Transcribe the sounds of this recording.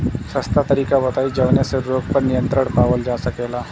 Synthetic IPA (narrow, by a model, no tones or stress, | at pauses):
sɐst̪at̪ɐɾiːkabɐt̪aːid͡ʒɐʋneseɾɾoːɡpəɾnɪjə̃nt̪ɾəɽ̃paːwəld͡ʒaːsɐkeːlaː